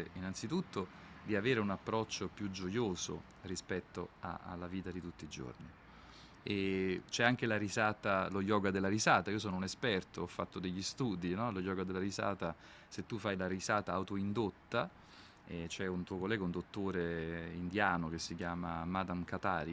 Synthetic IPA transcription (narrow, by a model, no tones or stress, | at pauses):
inant̪sit̪ut̪ːo | d̪iaveːɾeunapːɾɔt͡ʃːopjud͡ʒojoːzo̰ | rispɛt̪ːoa̰a̰lːaviːt̪ad̪it̪ut̪ːiːd͡ʒo̰rni | et͡ʃɛaŋk̟elaɾizaːt̪aloʎɔːɡad̪elːaɾizaːt̪aiːos̬ɔːnounespɛrt̪oɔfːat̪ːod̪eʎːist̪uːd̪inɔlojɔːɡad̪elːaɾiza̰ːt̪a | set̪ːufːajlaɾizaːt̪aːwt̪oind̪ot̪ːa | ɛt͡ʃɛunt̪uːokolːɛːɡaund̪ot̪ːoːɾeind̪jaːnok̟esːikjaːmamad̪amkat̪aːɾi